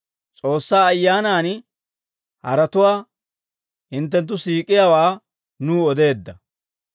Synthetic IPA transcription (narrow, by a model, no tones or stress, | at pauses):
t͡sʼo̞ːsːaːɐjːaːnaːn | hɐ̰ɾɐt̪ʊwaː | hɪnt̪̬ːɛnt̪̬ːʊsiːkʼɪjawaː | nuːɔd̪e̞ːd̪ːɐ